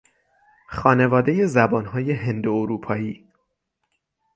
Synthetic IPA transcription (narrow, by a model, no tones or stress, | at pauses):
xɒːne̞vɒːd̪e̞je̞zæbɒːnɦɒːje̞ɦend̪ooɾuːpʰɒːiː